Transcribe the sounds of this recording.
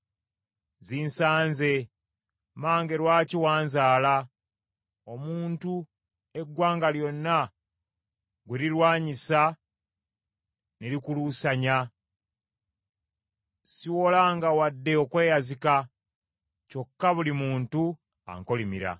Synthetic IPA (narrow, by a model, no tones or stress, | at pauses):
ziːnsaːnze̞ | maːŋɡe̞ɾwaːciwaːnzaːla | omuːntu | e̞ɡːwaːŋɡaljo̞nːa | ɡweɾiɾwaːɲisa | ne̞ɾikulusaɲa | siwo̞laŋɡawadːe̞okwe̞ːjazika | co̞kːaβulimuːntu | a̰ŋko̞limḭɾa̰